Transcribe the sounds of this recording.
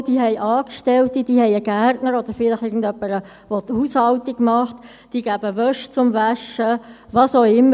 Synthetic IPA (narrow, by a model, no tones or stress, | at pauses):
d̥iːɦɛɪʔɑːkʃtɛltid̥iːhɛɪjəɡærtnəɾɔd̥əɾfɪlɪχɪɡn̩dœpːəɾə | vot̪huːshɑltiɡmɑχt | d̥iːɡæb̥əvœʃt͡sʊmvæʃə | vɑːsoʊɪmːə